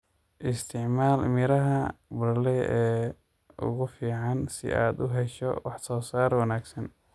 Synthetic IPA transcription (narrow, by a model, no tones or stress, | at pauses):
ʔɪst̪ʰɪʕmaːlmɪɾɐɦɐbʊɾlɛjɛː | ʔʊ̰ɣʊfiːʕɑnsɪ̰ʔa̰ːd̪ʊɦɛʃɔ̰wɑħsɔːsaːrwɑnaːɡsɐn